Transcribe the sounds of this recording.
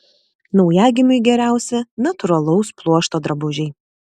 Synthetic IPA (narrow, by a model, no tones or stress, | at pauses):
nɒʊjæːɡʲɪmʲʊɪɡʲɛɾʲæˑʊsʲɛnɐt̪ʊɾɐlˠɔʊsplˠuɔʃt̪oːd̪ɾɐbʊʒʲɛɪ